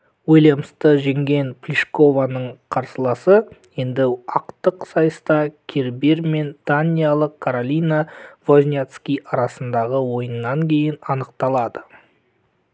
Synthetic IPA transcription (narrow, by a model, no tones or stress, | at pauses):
wojlʲeməst̪əʒe̞ŋɡʲe̞npʰlʲiʃko̞vanəɴqʰɑɾsəlˠɑsəjend̪ɪɑqt̪əqsɑjəst̪ɑkʲʰeɾbeɾme̞nd̪̥anʲijalˠəqkʰːoɾolʲijnavo̞zʲnʲet̪skʲijɑɾɑsənd̪ɑʁəwo̞jənːɑŋkʲʰe̞jɪnɑnəqt̪ɑlˠɑd̪ə